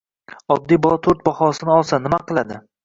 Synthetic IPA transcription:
ɒd̪ːijbɒlˠɒt̪ʰoɾt̪̚bɒhɒsɪnɪɒlˠsanɪmaqʰɨlˠad̪ɪ

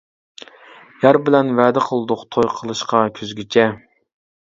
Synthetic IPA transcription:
jæɾbɪlɛnvɛːd̪ɪqʰəlˠd̪ʊqt̪ʰojqʰəlˠɨʃqɑkʲʰyzɡʲyt͡ʃʰɛ

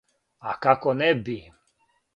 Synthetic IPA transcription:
akakɔnɛbi

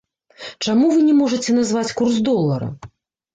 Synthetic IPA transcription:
t͡ʂamuvɨnʲɛmɔʐɐt͡sʲɛnazvat͡sʲkurzd̪ɔlˠːɐɾɐ̰

